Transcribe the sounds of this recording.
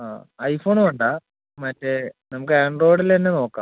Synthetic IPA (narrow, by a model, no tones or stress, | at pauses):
a̰ːɐjfo̞ːɳuɐɳɖaː | mɐtːenɐmuk̬ːɨɐɳɖro̞ːɽilenːe̞no̞ːkːa̰ːm